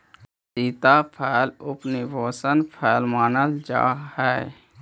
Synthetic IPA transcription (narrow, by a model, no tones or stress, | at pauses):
siːt̪apʰɛːlʊpnibʱoːsənpʰɛːlmaːnəld͡ʒa̰ːhɛː